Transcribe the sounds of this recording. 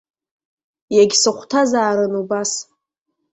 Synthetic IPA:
jaɡʲsɨχʷʰtʰazaːɾɨnubas

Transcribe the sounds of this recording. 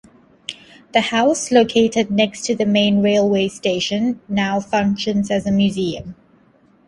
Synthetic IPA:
ðəhaʊsloʊkʰeɪtɪdⁿnɛkstʰɨðəmẽɪ̃nɹeɪlˠweɪsteɪʃə̃nːaʊfʌ̃ŋkʃə̃nzɨzəmjʉziə̃m

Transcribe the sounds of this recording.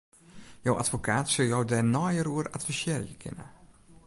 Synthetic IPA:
jowʔa̰tfokʰaːtsɵlˠjowdɛrnɔjəɾuəɾatfisɛːrḭəkʰɪ̰nə̰

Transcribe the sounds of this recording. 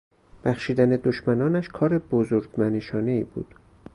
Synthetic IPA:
b̥æxʃiːd̪æned̪oʃmænɒːnæʃkʰɒːɾebozoɾɡmæneʃɒːne̞ḭːbṵːd̪̥

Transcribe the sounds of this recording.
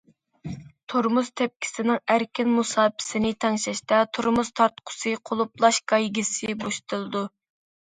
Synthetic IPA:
t̪ʰoɾmuz̥t̪ʰɛp̚kʲʰi̥sɪnɪŋæɾkʲinmusɑːpʰɪ̥sɪnɪt̪ʰɛŋʃɛʃt̪ɛt̪ʰoɾmuzt̪ʰɑɾt̪qʰʊ̥sɨqʰolˠuplˠɑʃɡɑjɡʲisɪboʃt̪ʰɨlˠɨd̪u

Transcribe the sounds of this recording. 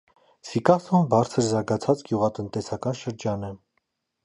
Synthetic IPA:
sikɑsɔmbɑɾt͡sʰəɾzɑɾɡɑt͡sʰɑt͡sɡ̥juʁɑt̪ənt̪ɛsɑkɑnʃəɾd͡ʒɑnɛ

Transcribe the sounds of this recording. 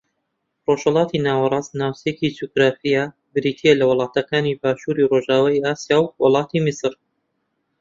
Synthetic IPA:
roʃhɐlˠɑːt̪ʰinaːwɐɾˤɑːsnaːwsecid͡ʒuɡɾaːfija | bɨɾiːt̪ʰijɐlɐwʊlˠɑːt̪ɐkaːnibaːʃuːɾiroʒaːwajaːsjaːwwʊlˠɑːt̪ʰimɪsɨɾ

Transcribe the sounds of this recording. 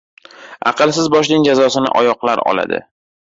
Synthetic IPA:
ɑ̰qʰɨlˠsɪzbɒʃ̬nɪŋd͡ʒazɒsɪnɪ̰ʔɒjɒqlaɾɒ̰la̰d̪ɪ̰

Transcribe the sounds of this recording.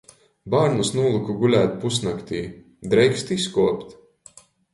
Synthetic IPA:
baɾnusnuːlˠɨkuɡulʲæːt̪pusnakt̪iː | d̪ɾɛjkst̪iskuɔpt̪

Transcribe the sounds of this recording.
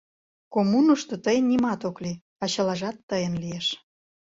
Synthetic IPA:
komunoʃt̪ot̪əjənʲːimɑt̪okli | ɑt͡ɕɑlɑʒɑt̪ːəjənlijeʃ

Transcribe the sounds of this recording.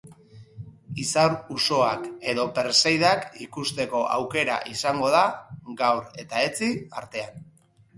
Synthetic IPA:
isaɾuso̞ake̞ðo̞pe̞ɾsejðakikust̪e̞ko̞ʔa̰wke̞ɾa̰ʔisaŋɡo̞ð̞aɡawɾe̞t̪ae̞t͡sia̰ɾt̪e̞an

